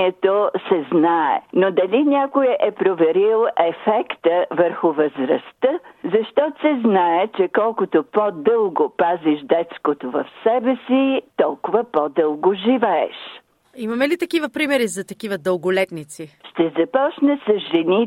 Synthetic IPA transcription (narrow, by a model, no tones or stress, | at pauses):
ɛt̪osɛznaɛ̰nod̪ɐlinʲakojɛʔɛpɾovɛɾilˠɛfɛkt̪əvəɾxʊvəzɾɐ̰st̪əzɐʃt̪ɔt̪sɛznaɛt͡ʃɛkɔlˠkʊt̪opod̪ɤlˠɡopaziʃd̪ɛt̪skot̪ovɐfsɛbɛsit̪ɔlˠkʊvəpɔd̪ɤlˠɡoʒivɛɛ̰ʃ | imɐmɛlit̪ɐkivəpɾimɛɾizɐt̪ɐkivəd̪əlˠɡʊlɛt̪nit̪siʃt̪ɛzɐpɔt͡ʃnəsɐzʒɛni